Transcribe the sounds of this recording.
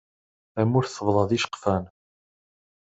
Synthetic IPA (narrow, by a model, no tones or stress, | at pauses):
æmːuɾθəvðˤɑðiʃə̥qfæn